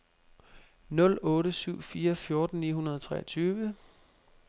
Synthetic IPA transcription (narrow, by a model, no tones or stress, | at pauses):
nɔ̽l̰ɔ̽ːɾəsyʊ̰fiːɐfjo̝ɐd̥n̩nḭːɦunɐðˠɒt͡sʰʁɛ̰ːɐt͡sʰyːʋə